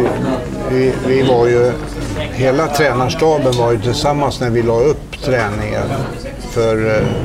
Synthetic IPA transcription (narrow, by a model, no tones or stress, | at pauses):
vɪvɪvaɾjɵ | ɦeːlat̪ʰɾɛːnaʂʈɑːbənvaɾjɵt̪ʰɪlsamːansnæɾvɪlɑːɵpːt̪ʰɾɛːnɪŋə̰n | fœɾ